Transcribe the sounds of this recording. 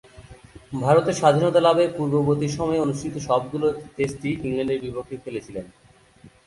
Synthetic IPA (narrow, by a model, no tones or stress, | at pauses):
bʱaɾot̪eɾʃad̪ʱinɔt̪alabepuɾbobot̪iɾʃɔmɔeonuʃʈʰit̪oʃɔb̚ɡulot̪esʈiiŋlaɳɖeɾbipokʰːifelet͡ɕʰilen